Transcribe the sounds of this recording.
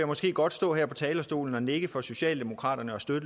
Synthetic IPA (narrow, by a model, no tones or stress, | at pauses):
jamɒ̽sɡ̥e̝̰ːɡ̥ɒ̽d̥sd̥ɔ̰̽ːhæɐ̰pʰɒ̽t͡sʰɛːlɐsd̥o̝̰ːln̩ɒ̽neɡ̥əfɒ̽so̝ɕɛ̰ːld̥e̝mo̝kʰʁɑ̰̈ːd̥ɐnəɒ̽sd̥ød̥ə